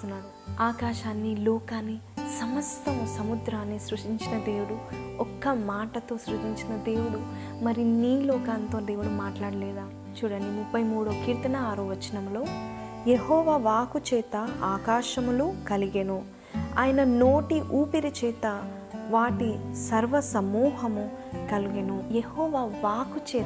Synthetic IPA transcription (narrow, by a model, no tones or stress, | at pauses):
unːaːɽu | aːkaːʃaːnːilɔːkaːnːisɐmɐst̪ɐmusɐmud̪ɾaːnːisɾuʂʈiɲt͡ʃinɐd̪e̞ːʋuɽuɔkːɐmaːʈɐt̪o̞ːsɾud̪ʱiɲt͡ʃinɐd̪e̞ːwuɽu | mɐɾiniːlɔːkaːnt̪o̞ːd̪e̞ːʋuɽumaːʈlaːɽɐlɛːd̪aː | t͡ʃuːɽɐnimupːɐjmuːɽokiːɾt̪ɐnɐaːɾoːʋɐt͡ʃːɐnɐmlo̞ː | jeɦɔːʋaːʋaːkut͡ʃɛːt̪ɐaːkaːʂɐmulukɐliɡenu | a̰ːjɐnɐnoːʈiʔuːpiɾit͡ʃɛːt̪ɐ | ʋaːʈisɐɾʋɐsɐmuːɦɐmukɐliɡenujehɔːʋaːʋaːkut͡ʃɛː